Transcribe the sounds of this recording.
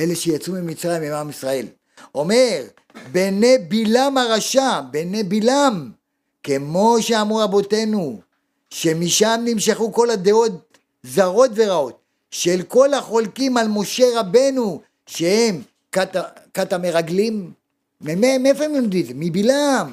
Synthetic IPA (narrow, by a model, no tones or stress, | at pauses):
e̞leʃejat͡sumimit͡sʁajimimamisʁae̞l | o̞me̞ʁ | bene̞bilamaʁaʃabe̞nebilam | ke̞mo̞ʃeamʁuabo̞t̪e̞nu | ʃe̞miʃamnimʃeχuko̞lad̪e̞o̞t̪̚ | zaʁo̞t̪veʁao̞t̪̚ | ʃelko̞laχo̞lkimalmo̞ʃe̞ʁabe̞nu | ʃehe̞m | katakatame̞ʁaɡlimː | ememiefoemomd̪izemibilam